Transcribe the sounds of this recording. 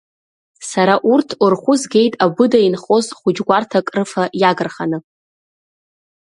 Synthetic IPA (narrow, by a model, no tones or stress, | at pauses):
saɾaʔurtʰurχʷʊzɡʲe̞jtʼabʊdainχo̞zχʷʊd͡ʒɡʷartʰakʼrɨfajaɡɨrχanɨ